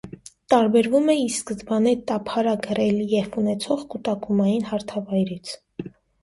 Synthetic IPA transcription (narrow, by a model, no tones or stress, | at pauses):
t̪ɑɾbɛɾvumɛiskəzbɑnɛt̪ɑpʰɑɾɑɡəɾɛlijɛvunɛt͡sʰɔʁkut̪ɑkumɑjinhɑɾt̪ʰɑvɑjɾit͡sʰ